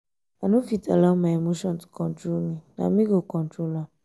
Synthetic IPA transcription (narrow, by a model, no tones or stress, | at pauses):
anũfitalamaemoʃɔ̃ntkɔ̃ntɾonĩna̰mĩɡokɔ̃ntɾola